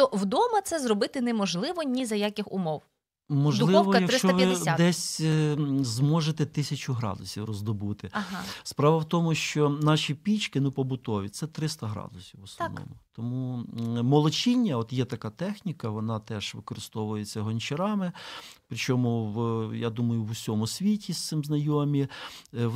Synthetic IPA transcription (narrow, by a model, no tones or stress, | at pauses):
t̪ɔwd̪ɔmɐt̪sɛzrɔbɪt̪ɪnɛmɔʒlˠɪʋɔnʲizɐjakʲɪxʊ̰mɔw | mɔʒdlˠɪɔwɔjɐk̪ɪst͡ʃɔɐʋɐɪd̪ɛsʲ | zmɔʒet̪ɛt̪ɪsʲɐt͡ʃʊɦɾɑ̰d̪ʊsʲiwrɔzd̪ɔbut̪ɪspɾɑʋɐwt̪ɔmʊʃt͡ʃɔnɑʃʲipʲit͡ʃkɪnʊpɔbʊt̪ɔʋʲit̪sɛt̪ɾɪst̪ɐɦɾɑ̰d̪ʊsʲiwʊsɔ̰ʋnɔ̰mʊt̪ɔmumɔlˠɔt͡ʃinʲːɐɔt̪jɛt̪ɐkɑt̪ɛxnʲikɐʋɔnɑt̪ɛʃʋɪkɔɾɪst̪ɔʋʊjet͡sʲːɐɦɔnʲt͡ʃeɾɑmɪpɾɪt͡ʃɔmʊwjad̪umɐjʊwʊsʲɔmʊsʲʋʲitʲist̪sɪmznɐjɔmʲi